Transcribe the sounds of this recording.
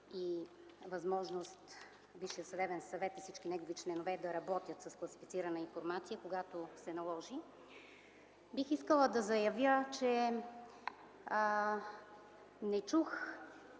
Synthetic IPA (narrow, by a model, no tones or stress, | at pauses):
i | vɐzmɔʒnost̪ | viʃijətsɐd̪ɛbɛnsɐvɛt̪ifsit͡ʃkinɛɡovit͡ʃlɛnovɛd̪ɐɾɐbɔt̪ʲjət̪sɐsklˠɐsi̥fit̪siɾənəinfoɾmat̪sijəkoɡat̪osɛnɐlˠɔʒi | bixiskəlˠəd̪ɐzɐjɐvʲjət͡ʃɛ | nɛt͡ʃux